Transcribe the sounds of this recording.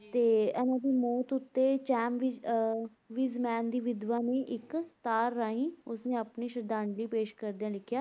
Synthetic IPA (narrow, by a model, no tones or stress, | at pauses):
t̪eːɛːnãːp̪iːmoːt̪ʊt̪ːeːt͡ʃɛːmʋi | ʋiːzmɛːnd̪iːʋɪd̪ʋaːnẽːʔɪkt̪aːɾːaːɦĩːʊsnẽːəpniːʃəɾd̪ãːɳɖiːpeːʃkəɾd̪eãːlɪkʰjaː